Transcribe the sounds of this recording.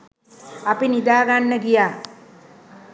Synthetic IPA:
apinid̪aːɡaɳːəɡija

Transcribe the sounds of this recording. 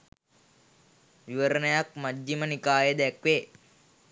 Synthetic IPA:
ʋiʋəɾənəjak̚madːimənikaːjəd̪ækʋe

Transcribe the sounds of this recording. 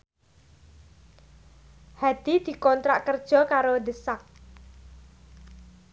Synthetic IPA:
had̪̥i̤d̪̥i̤kɔnt̪ɾaʔkərd̥ʒ̥ɔ̤kaɾod̪əsak̚

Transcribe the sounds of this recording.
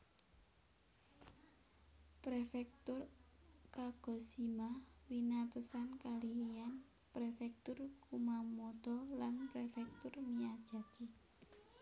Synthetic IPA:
pɾefɛk̚t̪ʊrkaɡ̥ɔ̤simawinat̪əsankaliean | pɾefɛk̚t̪ʊrkumamɔt̪ɔlanpɾefɛk̚t̪ʊrmiad̥ʒ̥a̤ki

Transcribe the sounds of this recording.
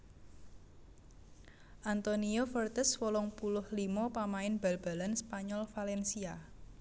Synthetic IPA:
ʔant̪oniofərt̪əswɔlɔŋpulʊhlimɔpamaɪnb̥alb̥a̤lanspaɲɔlfalɛnsia

